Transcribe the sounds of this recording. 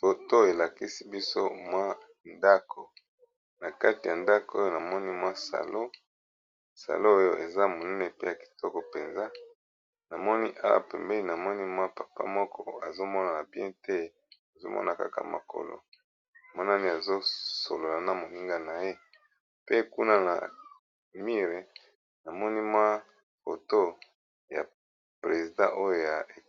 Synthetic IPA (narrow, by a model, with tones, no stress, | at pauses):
to˨to˦e˨la˨ki˦si˦bi˦so̰˦mwa˦ | nda˦kʰo˨ | na˨ka˦ti˨ja˨nda˦ko˨o˦jo˦na˨mɔ˦ni˦mwa˦sa̰˨lo˦ | sa̰˨lo˦o˦jo˦ʔe˨za˦mo˨nɛ˦ne˨pe˦ja˨ki̥˨tɔ˦kɔ˨pe˨nza˦ | na˨mɔ˦ni˦ʔa˦wa̰˨pɛ˨mbɛ˦li˨na˨mɔ˦ni˦mwa˦pa˨pa̰˦mɔ˦kʰɔ˦a˨zo˦mɔ˦na˨na˨bjɛ̃˦te˦ | a˨zo̰˦mɔ̰˦na˨ka̰˦ka̰˨ma̰˨ko̰˨lo̰˨ | na˨mɔ˦na˦ni˦a˨zo˦so˨lo˨la˨na˦mo˨ni˦ŋɡa˨na˨je˦ | pe˦ku˦na˦na̰˨ | mi˦ʁe˨ | na˨mɔ˦ni˦mwa˦ | fo̰˨to˦ | ja̰˨ | pʁe˨zi˨dã˦ʔo˦jo˦˨ja˨e˨